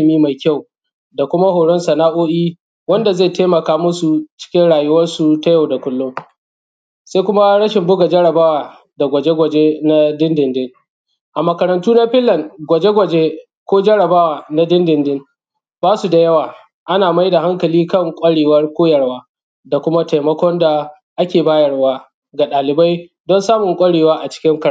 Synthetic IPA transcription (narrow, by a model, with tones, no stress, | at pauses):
miː˦ma˨jkʲa˦˨w | da˨kʷʊ˦ma˦hoː˨ɽɔ˦nsɐ˨naː˦ʔoː˦ʔiː˦ | wɐ˦nda˨za˦˨jteː˦mɐ˨kaː˦mʊ˦su˨t͡ʃɪ̥˦kʲɪ˦nɽaː˨jʊ˦wɐ˦rsu˨ta˦ja˦˨wda˨kʷʊ˦lːʊ˦ŋ | sa˦kʷʊ˦ma˦ɽɐ˦ʃɪ˨mbʊ˦ɡa˨d͡ʒɐ˦ɽɐ˨baː˦waː˨ | da˨ɡʷɐ˨d͡ʒe˦ɡʷɐ˨d͡ʒe˦na˦dɪ˦ndɪ˨ndɪ˦ŋ | ʔa˨mɐ˨kɐ˨ɾɐ˨ntuː˦na˦ɸɪ˦lːɐ˨ŋɡʷɐ˨d͡ʒe˦ɡʷɐ˨d͡ʒe˦ | kʷoː˦d͡ʒɐ˦ɽɐ˨baː˦waː˨na˦dɪ˦ndɪ˨ndɪ˦ŋ | baː˦su˨da˨jɐ˦waː˨ | ʔa˦naː˨ma˦jda˨ha˦ŋkɐ˨liː˦kɐ˦˨ŋkʷʼɐ˦ɽeː˨wɐ˦rkʷoː˦jɐ˨rwaː˦ | da˨kʷʊ˦ma˦ta˨jmɐ˦kʷɔ˦nda˨ | ʔa˦kʲeː˨baː˦jɐ˨rwaː˦ | ɡa˨ɗaː˨lɪ˨ba˦j | dɔ˦nsaː˦mʊ˨ŋkʷʼɐ˦ɽeː˨waː˦ʔa˨t͡ʃɪ̥˦kʲɪ˦ŋkɐ˦˨˦